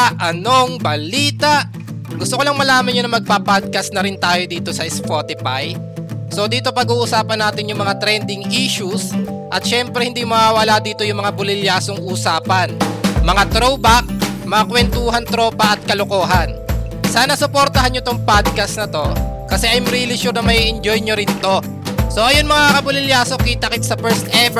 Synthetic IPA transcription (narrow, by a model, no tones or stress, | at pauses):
ʔɐno̞ŋbɐliːt̪aʔ | ɡʊst̪okolɐŋmɐlaːmɐnɲonɐmɐɡ̚papad̪̚kɐsnɐɾɪnt̪aːjo̞d̪iːt̪o̞sɐʔɪspot̪ɪpaj | so̞d̪iːt̪o̞pɐɡuːʔʊsaːpɐnːaːt̪ɪnjʊŋmɐŋat̪ɾɛnd̪ɪŋʔiːʃʊsʔɐt̪̚ʃɛmpɾɛhɪnd̪imɐwaːwɐlad̪iːt̪ojʊŋmɐŋabʊlɪljaːsoŋʔusaːpɐnmɐŋat̪ɾowbak̚mɐakwɛnt̪uːɦɐnt̪ɾo̞pɐʔɐt̪̚kɐloko̞ːɦɐn | saːnɐsʊpoɾt̪ɐɦanɲjot̪oŋpad̪̚kɐsnɐt̪o̞kɐsɛʔɐjmɾilɪʃuɾnɐmɐjiʔɛnd͡ʒojɲoɾɪnt̪o̞ | so̞ʔɐjonmɐŋakɐbʊlɪljaːso̞kit̪ɐkɪt̪̚sɐpɛɹst̪ʔɛv